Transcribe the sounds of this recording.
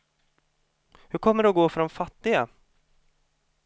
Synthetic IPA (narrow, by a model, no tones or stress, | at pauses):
hɵɾkʰɔmːəɖɛɔɡoːfœɖɔmfat̪ːɪɡa